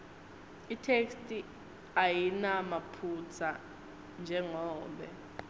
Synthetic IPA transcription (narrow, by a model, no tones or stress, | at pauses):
itʰekstʼi | ajinamapʰut͡sʰa | nd͡ʒʱɛŋɔːɓɛ